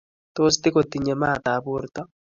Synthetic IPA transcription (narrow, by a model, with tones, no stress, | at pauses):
t̪o˦st̪ɪ˦ko˨t̪i˨ɲe˨ma˦˨t̪a˨bu˦ɾt̪ɔ˦